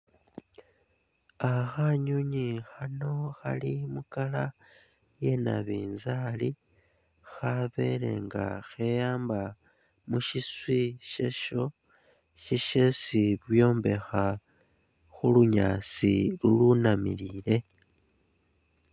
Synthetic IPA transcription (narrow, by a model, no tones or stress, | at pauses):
axaɲuɲixano̞xa̰limukala | je̞na̰βiːnzali | xaβe̞le̞̰ŋɡa̰xejaːmba | muʃiswiʃeʃo̞ | ʃiʃesiβwjo̞ːmbe̞xa | xuluɲaːt͡silulunamḭlile̞